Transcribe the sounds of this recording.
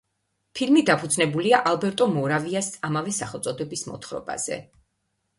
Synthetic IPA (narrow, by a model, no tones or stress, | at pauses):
pʰilmid̪apʰud̪znɛbuliaʔalˠbɛɾt̪ʼɔmɔɾaviasamavɛsaχɛlˠt̪sʼɔd̪ɛbismɔ̰t̪χɾɔ̰ba̰z̥ɛ̰